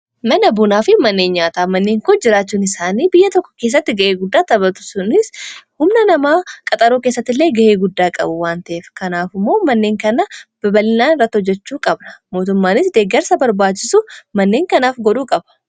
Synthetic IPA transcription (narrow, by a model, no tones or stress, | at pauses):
mɐnɐbʊnaːfɪmɐnːeːnɲaːt̪aːmɐnːeːŋkʊnd͡ʒɪɾaːt͡ʃːuːnɪsaːniːbɪjːɐt̪ɔkːɔ̥ke̞ːs̬ːɐt̪ːɪɡɐʔeːɡʊd̪ːaːt̪ɐbɐt̪ʊ̥sʊnɪshʊmnɐnɐmaːkʼɐt̪ʼɐɾoːkeːsːɐt̪ːɪlːe̞ːɡɐʔe̞ːɡʊd̪ːaːkʼɐ̰bʊwaːnt̪ɐʔeːfkɐnaːfɪmːo̞ːmɐnːe̞ːŋkɐnɐbɐbɐlɪnaːnɪrːɐt̪ːɪhɔd͡ʒːɛt͡ʃːuːkʼɐbnɐ̥mo̞ːt̪ʊmːaːnɪsd̪eːɡɛɾsɐbɐɾbaːt͡ʃːɪsʊmɐnːe̞ːŋkɐnaːfɡɔᶑuːkʼɐbɐ̥